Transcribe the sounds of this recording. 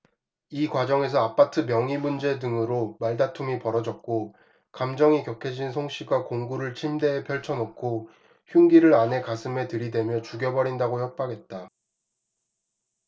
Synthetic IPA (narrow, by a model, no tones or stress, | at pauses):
ikwad͡ʑʌŋe̞sʰʌapʰatʰɯmjʌŋimund͡ʑe̞dɯŋɯɾomaɭdatʰumipʌɾʌd͡ʑʌk̚k͈o | kamd͡ʑʌŋikjʌkʰed͡ʑinsʰoŋɕ͈ʰiɡakoŋɡuɾɯɭt͡ɕʰimde̞epʰjʌɭt͡ɕʰʌnokʰo | çjuŋɡiɾɯɾane̞kasʰɯme̞tɯɾidwe̞mjʌt͡ɕuɡjʌbʌɾindaɡoçjʌk̚p͈aɡe̞t̚t͈a